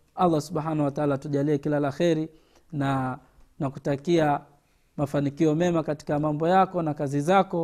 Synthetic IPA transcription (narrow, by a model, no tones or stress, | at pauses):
alˠˤːasuɓhaːnawataalatuʄaliɛkilalaxɛɾi | na | nakutakia | mafanikiɔmɛmakati̥kamambɔjakɔnakazizakɔ